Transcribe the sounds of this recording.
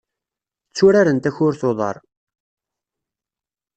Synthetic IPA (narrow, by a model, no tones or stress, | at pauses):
t͡sːʊɾaɾənt̪æçʊɾθoðˤɑ̰ɾˤ